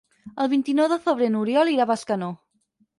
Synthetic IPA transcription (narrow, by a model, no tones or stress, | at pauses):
əlˠβint̪inɔwðoθoβɾenuɾjɔliɾaβaskano